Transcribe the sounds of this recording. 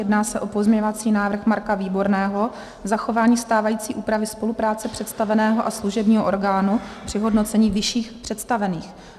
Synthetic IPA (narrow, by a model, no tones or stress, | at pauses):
jɛdnaːsɛʔo̞po̞zmɲɛɲovat͡siːnaːvr̩xmaɾkaviːbo̞ɾnɛːɦo̞ | zaxo̞vaːɲiːst̪aːvajiːt͡siːʔuːpɾavɪspo̞lupɾaːt͡sɛpr̥ɛt̪st̪avɛnɛːɦo̞ʔasluʒɛbɲiːɦoʔoɾɡaːnupr̥ɪɦo̞dno̞t͡sɛɲiːvɪʃiːxpr̥ɛt̪st̪avɛniːx